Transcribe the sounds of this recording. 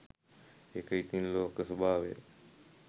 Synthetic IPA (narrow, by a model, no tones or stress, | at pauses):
ekəit̪inloːkəsɐbʱaːʋḛ